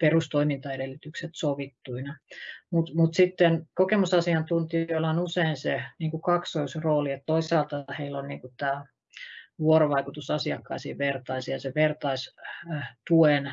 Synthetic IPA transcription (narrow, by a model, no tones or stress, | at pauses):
perust̪oimint̪ɑedelːyt̪ykset̪soʋit̪ːuinɑmut̪mut̪sit̪ːenkokemusɑsiɑnt̪unt̪ijoilːɑonuseinseniːŋkukɑksoisroːliet̪t̪oisˑɑːlt̪ɑheilːonniːŋkut̪æː | ʋuoɾoʋɑikut̪usɑsiɑkːɑ̰isiːʋert̪ɑisjɑseʋert̪ɑis | t̪uen